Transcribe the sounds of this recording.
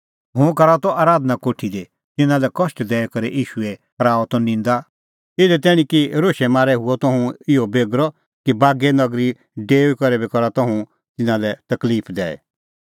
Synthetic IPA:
ɦũkɐɾat̪ɔʔaːɾaːd̪nakoːʈʰid̪e | t̪ɪnãlɛkɔsʈd̪ɛːɛkɐɾɛʔiːʃuɛkɾaːɔt̪ɔnɪ̃ːnd̪a | ɪd̪ɛt̪̬ɛːɽ̃ĩkiɾoːʃɛmaːɾɛɦʊɔt̪ɔ̃ɦũɪɔbeːɡɾɔ | kibaːɡɛnɐɡɾi | ɖeːwkɔɾɛbɛkɔɾat̪ɔ̃ɦũ | t̪ɪnãlɛt̪ɐkliːpʰd̪ɛ̰ːɛ̰

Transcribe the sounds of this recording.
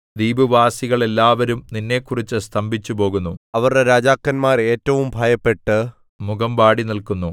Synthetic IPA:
d̪iːbuʋaːsiɣɐɭe̞lːaːʋɐɾumninːe̞ːkːurit͡ɕːɨst̪ʰɐmbʱit͡ɕːupo̞ːɣunːuɐʋɐrɖeɾaːd͡ʑaːkːɐnmaːre̞ːtːɐʋumbʱaːjɐpːe̞ʈːɨ | muɣɐmbaːɽinilkunːu

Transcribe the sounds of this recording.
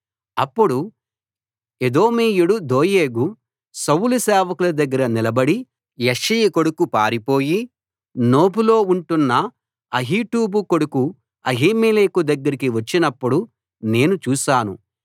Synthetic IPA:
ɐpːuɽu | ed̪o̞ːmiːjuɽud̪o̞ːje̞ːɡu | sɐwulusɛːʋɐkulɐd̪ɐɡːɐɾɐnilɐbɐɽi | jɐʂijɐko̞ɽukupa̰ːɾipo̞ːji | no̞ːbulo̞ːuɳʈunːɐ | ɐɦiːʈuːbuko̞ɽuku | ɐɦiːmiːleːkud̪ɐɡːɐɾikiʋɐt͡ʃːinɐpːuɽu | ne̞ːnut͡ʃuːʃaːnṵ

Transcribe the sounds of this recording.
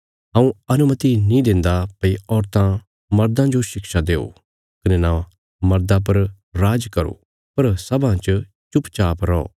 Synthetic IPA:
ɦɐ̃ːũɐnʊmət̪inĩd̪ɪ̃nd̪apɐiɔːɾt̪ã | mɐɾd̪ãd͡ʒoʃɪkʃad̪eːo̰ | kɐnɛna | mɐɾd̪ap̬ɐɾ | ɾaːd͡ʒkɐɾo̰ | pɐɾsɐbʱãt͡ʃ | t͡ʃʊpt͡ʃaːpɾɔ̰ː

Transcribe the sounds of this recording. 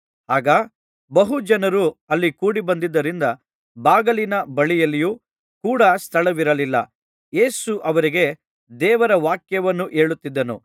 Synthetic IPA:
aːɡɐ | bɐɦud͡ʒɐnɐɾuɐlːikuːɽibɐnd̪id̪ːɐɾind̪ɐ | baːɡɐlinɐbɐɭijɐlːiju | kuːɽɐst̪ʰɐɭɐʋiɾɐlilːɐ̰ | je̞ːsuʔɐʋɐɾiɡe̞ | d̪ɛːʋɐɾɐʋaːkjɐʋɐnːuʔe̞ːɭut̪ːid̪ːɐnṵ

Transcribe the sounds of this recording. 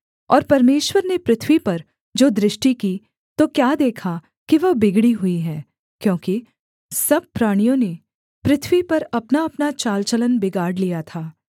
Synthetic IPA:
ɔ̰ːɾpɐɾmeːʃwəɾnepɾɪt̪ʰwipɐɾ | d͡ʒoːd̪ɾɪʃʈiki | t̪okjaːd̪eːkʰa | kiʋɐɦbɪɡɽiɦʊiɦɛ̃ː | kjõːki | sɐb̚pɾaːɽ̃ijõne | pɾɪt̪ʰwipɐɾɐpnaɐpnat͡ʃaːlt͡ʃələnbɪɡaːɽlijat̪ʰaː

